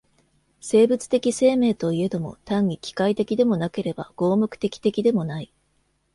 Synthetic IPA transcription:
se̞ːbɯ̟t͡sɨ̥t̪e̞kʲise̞ːme̞ːt̪o̞ie̞d̪o̞mo̞̰t̪ãŋːʲikʲi̥kait̪e̞kʲid̪e̞mo̞nake̞ɾe̞ba̰ɡ̥o̞ːmɯkɯ̟̥t̪e̞kʲi̥t̪e̞kʲid̪e̞mo̞nai

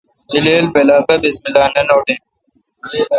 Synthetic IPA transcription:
ileːlbelaːbɐbismilaːnɐnoːʈẽ

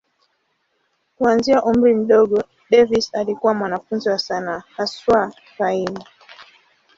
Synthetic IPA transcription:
kuanziaʔum̩ɾim̩ɗɔɠɔ | ɗɛvisalikuwamwanafunziwasanaːhaswa | kaina

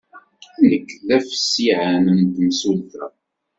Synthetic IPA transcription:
nəkːlæfə̥sːiʕanənt̪əmsulθæ̰

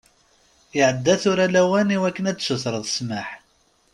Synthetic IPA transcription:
iʕəd̪ːæθʊɾælæwæniwækːənæt͡sːsəθɾˤəðˤsməħ

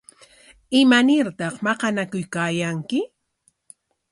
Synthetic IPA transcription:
ɪmanɪɾt̪ɑχmɑqɑnakʊjkaːjaŋkɪ

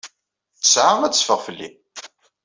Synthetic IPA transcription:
θəsʕaʁæt͡sːəfəʁfəlːḭ

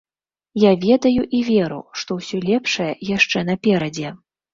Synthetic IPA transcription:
javʲɛd̪ɐjuʔivʲɛɾṵʂt̪ɔwsʲɔlʲɛpʂɐjɛjaʂt͡ʂɛn̪ɐpʲɛɾɐd͡zʲɛ

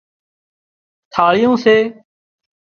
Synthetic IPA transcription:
t̪ʰaːɭɪjõːseː

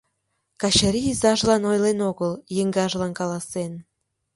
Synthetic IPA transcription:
kɑɕaɾiizɑʒlɑnojlenoɣəljəŋɡɑʒlɑnkɑlɑsen

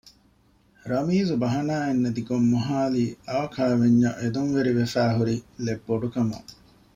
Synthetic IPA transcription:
ɾɐmiːzubɐɦɐnaːenːɐd̪iɡomːuɦaːliːʔɐːɐkʰɐɭʋeɲːɐ̰ʔed̪unʋeɾiʋefæːɦuɾilebːoɖukɐmɐ̰

